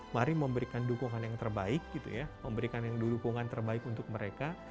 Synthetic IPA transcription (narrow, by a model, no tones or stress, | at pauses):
maɾiməmbəɾikandukuŋanjaŋt̪ərbaɪk̚ɡ̥it̪ṵjaməmbəɾikanjaŋdudukuŋant̪ərbaɪkunt̪ʊk̚məɾeka